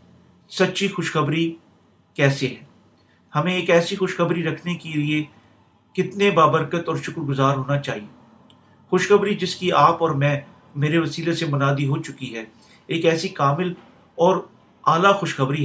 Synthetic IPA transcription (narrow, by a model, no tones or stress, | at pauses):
sɐtːʃixʊʃxəbɾi | kɛːseɦɛː | hɐmẽeːkɛːsixʊʃxɐbɾiɾɐkʰnekelie | kɪt̪nebaːbəɾkət̪ɔːɾʃʊkɾɡʊzaːɾɦoːnat͡ʃaːɦieː | xʊʃxəbɾid͡ʒɪskiaːpɔːɾmɛ̃ː | meːɾeʋɐsiːlesemʊnaːd̪iɦot͡ʃʊkiɦɛː | eːkɛːsikaːmɪl | ɔːɾ | aːlaxʊʃxɐbɾiɦ